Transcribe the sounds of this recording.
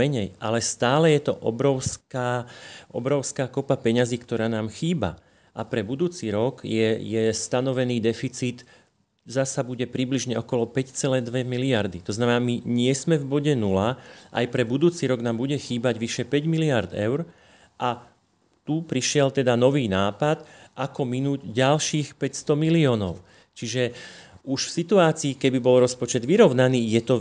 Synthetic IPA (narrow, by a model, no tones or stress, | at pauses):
ɛɲɛjʔalɛst̪aːlɛjɛt̪ɔʔɔ̰bɾɔʊskaːʔɔ̰bɾɔʊskaːkɔpapɛɲaziːkt̪ɔɾaːnaːmxiːba̰ | ʔapɾɛbud̪uːt͡siɾɔɡjɛjɛst̪anɔʋɛniːd̪ɛfit͡siːt̪ | zasabuɟɛpɾibliʒɲɛɔkɔlɔpɛct͡sɛlɛːd̪ʋɛmiliaɾd̪it̪ɔznamɛnaːmiɲɪɛsmɛvbɔɟɛnulaʔa̰jpɾɛbud̪uːt͡siɾɔɡnaːmbuɟɛxiːbaɟʋiʃɛpɛɟmiliaɾd̪ɛ̰ʊɾ | ʔa | t̪upɾiʃɪɛlt̪ɛd̪anɔʋiːnaːpat̪ʔakɔminuːɟɟalʃiːxpɛcst̪ɔmiliɔːnɔʊ | t͡ʃiʒɛuʃfsit̪uaːt͡siːkɛbibɔlɾɔspɔt͡ʃɛd̪ʋiɾɔʊnaniːjɛt̪ɔ